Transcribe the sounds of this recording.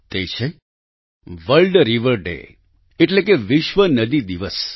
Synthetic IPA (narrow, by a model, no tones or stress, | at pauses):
t̪et͡ʃʰe | ʋəlɖɾiʋəɾɖḛ | eʈlekeʋiʃʋənəd̪id̪iʋəs